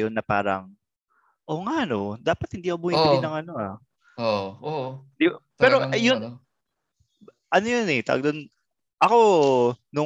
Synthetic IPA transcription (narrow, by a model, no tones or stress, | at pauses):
jonːɐpa̰ːɾɐ̰ŋ | ʔo̞ːŋaʔɐnod̪aːpɐt̪̚hɪnd̪iːʔobuhɪbɪllinɐŋɐno̞a | ooɪnd̪ipɛːɾojon | ʔɐnojonɛt̪ɐ̰ɡ̚d̪on | ʔɐko̞nʊ